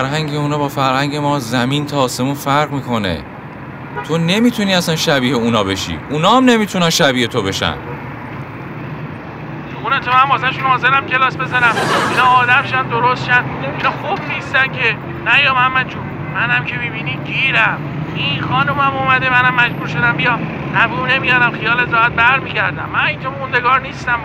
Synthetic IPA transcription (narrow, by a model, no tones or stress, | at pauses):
ɾɦæŋɟeunɒːbɒːfæɾhæŋɟemɒːzæmint̪ʰɒːse̞muːnfæɾʁmiːkʰo̞ne̞̰ | t̪ʰo̞ne̞miːt̪ʰuniːæsænʃæbiːheunɒːbe̞ʃḭːʔunɒːæmne̞miːt̪ʰunænʃæbiːhet̪ʰo̞be̞ʃæ̰n | xunet̪ʰomænbɒːzæʃunhɒːze̞ɾæmcʲʰe̞lɒːsbe̞zænæminɒːd̪æmʃænd̪oɾost̪ʃænd̪inɒxubniːst̪æmcʰe | næjɒːmænmænt͡ʃʰu | mænæmcʰe̞mibiːniːɟiːɾæm | ixɒːnumæmuːmæd̪e̞mænæmːæd͡ʒbuːɾʃo̞d̪æmbijɒm | æbuːnemijɒːɾæmxijɒːlet̪ɒːæt̪̚bæɾmiːɟæɾd̪æmːæniːnd͡ʒɒund̪eɡɒːɾniːst̪æm